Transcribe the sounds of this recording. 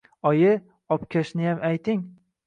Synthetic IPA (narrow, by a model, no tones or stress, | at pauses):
ɒjɪ | ɒpkʲʰaʃnɪjamʔajt̪ʰɪŋ